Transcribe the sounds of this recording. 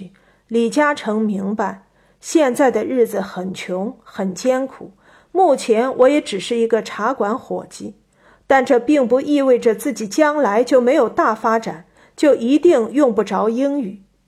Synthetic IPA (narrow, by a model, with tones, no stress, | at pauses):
li˨˩t͡ɕja˥ʈ͡ʂʰɤ˧˥ŋmi˧˥ŋpa˧ɪ | ɕjɛ˥˧nt͡sa˥˩ɪd̪ə˩ɻɻ̩˥˩d͡zɹ̩˩xə˨˩nt͡ɕʰjʊ˧˥ŋxə˨˩nt͡ɕjɛ˥nkʰu˨˩˦ | mu˥˩t͡ɕʰjɛ˧˥nwʔɔ˧˥jɛ˧˥ʈ͡ʂɻ̩˨˩ʂɻ̩˥˩i˧˥ɡə˧ʈ͡ʂʰa˧˥kwa˧˥nxwɔ̰˨˩t͡ɕi˥ | t̪a˥˧nʈ͡ʂɤ˥˧pi˥˩ŋpu˧˥ʔi˥˧we˥˩ɪʈ͡ʂə˩t͡sɹ̩˥˩t͡ɕi˨˩t͡ɕjɑ˥ŋla˧˥ɪt͡ɕjo˥˩ʊme˧˥ɪjo˨˩ʊt̪a˥˩fa˥ʈ͡ʂa˨˩˦n | t͡ɕjo˥˩ʊʔi˧˥t̪i˥˧ŋjʊ˥˧ŋpu˥˩ʈ͡ʂɑ˧˥ʊi˥ŋy˨˩˦